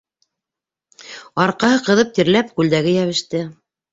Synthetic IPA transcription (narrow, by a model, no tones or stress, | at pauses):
ɑɾqɑɦɤqɤ̆ðɤp̚t̪iɾlæp̚kʉld̪æɡɘjæβɘ̆ʃt̪ɘ